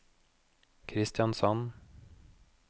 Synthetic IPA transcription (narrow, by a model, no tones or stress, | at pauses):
kʰɾɪst̪ɪjɑnsɑn